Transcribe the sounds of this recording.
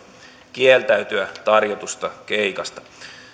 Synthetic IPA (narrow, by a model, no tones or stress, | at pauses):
k̟ielt̪æyt̪yæt̪ɑrjot̪ust̪ɑk̟eikɑst̪ɑ̥